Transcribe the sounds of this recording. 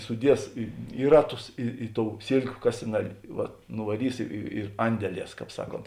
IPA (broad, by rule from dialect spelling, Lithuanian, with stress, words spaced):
sʊˈdʲiɛs ɪ ˈɪ rɐˌtʊs ɪ ɪ toːʊ ˈsʲeːlʲkʲʊ ˈkɑːsʲɪnɐˌlʲeː ˈʋɐt nʊʋɐˈrʲiːs ɪ ɪ ɪr ˈɐnʲdʲɛˌlʲiɛs ˈkɑːp ˈsɑːˌkoːnt